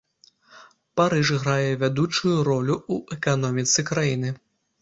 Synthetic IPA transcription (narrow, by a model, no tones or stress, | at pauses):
paɾɨʐɣɾajɛvʲad̪ut͡ʂujuɾɔlʲuuʔɛkanɔmʲit̪sɨkɾajin̪ɨ